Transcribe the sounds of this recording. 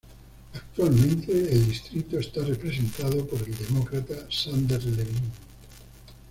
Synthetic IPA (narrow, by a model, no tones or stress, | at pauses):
ak̚t̪walmẽ̞nt̪eːld̪ist̪ɾit̪oest̪arepɾes̬ent̪aðopoɾe̞ld̪e̞mokɾat̪asand̪eɾleβin